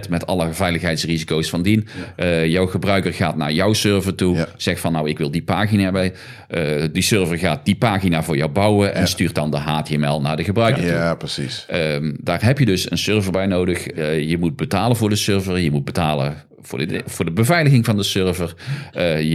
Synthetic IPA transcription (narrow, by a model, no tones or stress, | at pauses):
tmɛtɑ̰ləvɛjləxɦɛjtsrizikowsfɑndinjɔwɣəbrœɥkərɣaːtna̰ːɹjɔwsøɹvəɹtuz̥ɛxtfɑnːɔwɪkʋɪlˠdipaːɣinabɛj | disøɹvəɹɣaːt̚d̥ipaːɣinaːvʊːɹjɔwbɑwəʔɛ̰nstyːrt̚dɑndəɦaːteɛmɛlˠnaːɹdəɣəbrœɥkəɹtupəsisdaːɹɦɛpjədɵsə̰nsøɹvəɹbɛjnowdəxjəmud̚bətaːlənvʊːɹdəsøɹvəɹjəmud̚bətaːlə̰ | vʊ̰ːvʊːɹdəbəvɛjləɣɪŋvɑndəsøɹvər